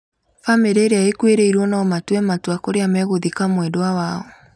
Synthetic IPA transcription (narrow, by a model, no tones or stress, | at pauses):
fameɾeɾeaekweɾeiɾwɔnaɔmatwɛmatwakoɾeamɛɣoðikamwɛdoawaɔ